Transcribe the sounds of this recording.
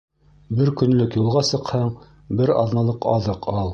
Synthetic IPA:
bɘɾkɵ̆nlɵkjulˠʁɑsɤ̆qhɑɴ | bɘɾɑðmɑlˠɤqɑ̰ðɤqʰɑlˠ

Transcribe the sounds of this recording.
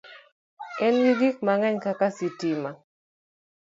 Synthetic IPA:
ɛnwiɡik̚maŋɛɲkakasitima

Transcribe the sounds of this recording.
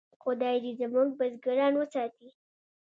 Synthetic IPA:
qʊd̪ɑjd̪izəmuɡ̚bazɡaɾɑnwəsɑt̪i

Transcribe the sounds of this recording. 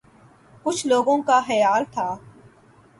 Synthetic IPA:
kʊt͡ʃʰloːɡõkaxɐjaːlt̪ʰaː

